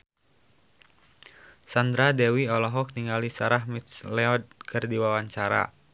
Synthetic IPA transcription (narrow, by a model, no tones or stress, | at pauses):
sand̪ɾadɛwiɔlɔɦɔk̚niŋalisaɾahmit̪slɛɔd̚kʰɨrdiwawaɲt͡ʃaɾa̰